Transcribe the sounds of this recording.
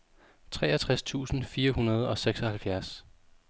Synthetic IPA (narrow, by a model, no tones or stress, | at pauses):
t͡sʰʁɛ̰ːɐt͡sʰʁast͡sʰṵːsn̩fiːɐɦunɐð̞ˠɒ̽seɡ̥sɒ̽hælfjæɐs